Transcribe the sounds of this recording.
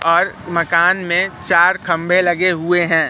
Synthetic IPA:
ɔːɾmɐkaːnmẽt͡ʃaːɾkʰɐ̃mbʱelɐɡeɦʊeɦɛ̃ː

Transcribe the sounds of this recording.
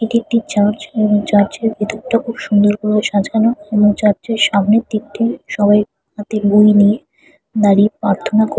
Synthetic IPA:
eʈik̚ʈit͡ɕaɾd͡ʑeboŋt͡ɕaɾd͡ʑeɾbʱit̪oɾʈakʰubʃund̪oɾkuloʃad͡ʑʱɡanoeboŋt͡ɕaɾd͡ʑeɾʃamnit̪ːikt̪eʃɔbaj | ɦat̪ebujnije | d̪aɽipɾaɾt̪ʰonako

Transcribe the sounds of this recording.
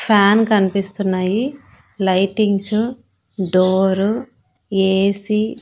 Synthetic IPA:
pʰaːnkɐnipist̪unːaːji | lɐjʈiŋɡsu | ɖoːɾu | eːsi

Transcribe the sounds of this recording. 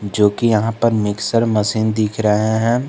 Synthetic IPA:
d͡ʒoːkijɐɦãpɐɾmɪksəɾmɐsiːnd̪ɪkʰɾɐɦeɦɛ̃ː

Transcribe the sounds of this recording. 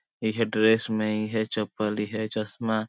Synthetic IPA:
iɦɛɖɾesmẽiɦɛt͡ʃəpəliɦɛt͡ʃəsma

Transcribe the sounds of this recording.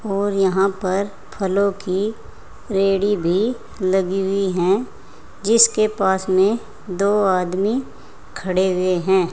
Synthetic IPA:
ɔːɾjɐɦãpɐɾ | pʰɐlõki | ɾeːɽibʱi | lɐɡiɦʊiɦɛ̃ | d͡ʒɪskepaːsmẽ | d̪oːaːd̪mi | kʰɐɽeɦʊeɦɛ̃ː

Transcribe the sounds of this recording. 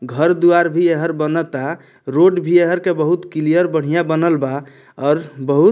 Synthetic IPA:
ɡʱəɾd̪uaɾbʱieɦəɾbənət̪a | ɾoɖbʱieɦəɾkebəɦut̪kilijəɾbəɽ̤ijabənəlba | ɔːɾbəɦu

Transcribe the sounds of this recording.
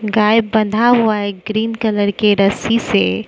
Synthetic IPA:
ɡaːɪbːɐ̃nd̪ʱaɦuaeɡɾiːnkɐləɾkeɾɐsise

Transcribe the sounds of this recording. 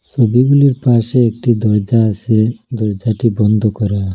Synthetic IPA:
t͡ɕʰobiɡuliɾpaʃeek̚ʈid̪ɔɾd͡ʑaased̪ɔɾd͡ʑaʈibɔnd̪ʱokɔɾa

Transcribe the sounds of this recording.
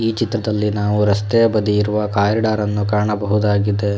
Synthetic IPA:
iːt͡ʃit̪ɾɐd̪ɐlːinaːʋuɾɐst̪ɛjɐbɐd̪iiɾuʋɐkaːɾiɖaːɾɐnːukaːɳɐbɐɦud̪aːɡid̪e

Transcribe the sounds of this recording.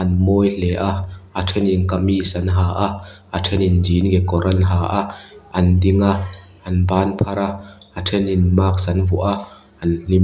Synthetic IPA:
ʔɐnmɔːjlɛʔaʔʔatʰɛninkɐmisɐnɦaːʔaʔ | atʰɛninziːnɡɛkɔɾɐnɦaːʔaʔɐndiŋaʔ | ɐnbaːnpʰɐɾaʔ | atʰɛninmaːk̚sɐnvuʔa | ɐnl̥im

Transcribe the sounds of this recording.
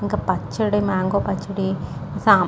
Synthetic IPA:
iŋɡɐpɐt͡ʃːɐɽimaːŋɡoːpɐt͡ʃːɐɽisaː

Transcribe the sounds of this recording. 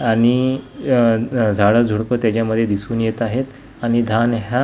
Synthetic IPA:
aɽ̃i | d͡zʱaɽəd͡zʱuɽpət̪jat͡ɕjaməd̪ʱjed̪isuːnjet̪aɦet̪ | aɽ̃id̪ʱanɦa

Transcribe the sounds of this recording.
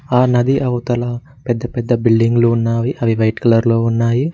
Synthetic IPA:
aːnɐd̪iʔɐʋut̪ɐlaː | pɛd̪ːɐpɛd̪ːɐbilɖiŋɡluːnːaːʋiʔɐʋiʋɐjʈkɐlɐɾloːunːaːji

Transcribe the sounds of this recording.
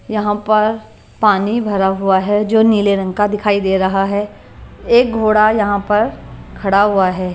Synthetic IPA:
jɐɦãpɐɾ | paːnibʱɐɾaɦʊaɦɛd͡ʒoːniːleɾɐ̃ŋkad̪ɪkʰaːid̪eːɾɐɦaɦɛː | eːk̚ɡʱoːɽajɐɦãpɐɾkʰɐɽaɦʊaɦɛː

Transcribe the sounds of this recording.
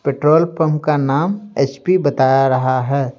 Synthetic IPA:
peʈɾoːlpʰəmkanaːmet͡ʃpibət̪aːjaɾɐɦaɦɛː

